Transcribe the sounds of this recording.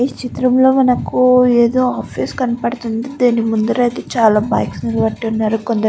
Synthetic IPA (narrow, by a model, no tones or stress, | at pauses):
t͡ʃit̪ɾɐmlo̞ːmɐnɐkːueːd̪o̞ːaːpʰiːskɐnɐpɐɽɐt̪und̪id̪aːnimund̪uɾɐjt̪eːt͡ʃaːlaːba̰ːjksniɾʋɐʈːiunːaːɾukond̪ɐ